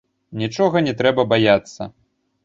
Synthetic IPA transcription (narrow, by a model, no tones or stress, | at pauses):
nʲit͡ʂɔɣɐnʲɛt̪ɾɛbɐbajat̪sːɐ̰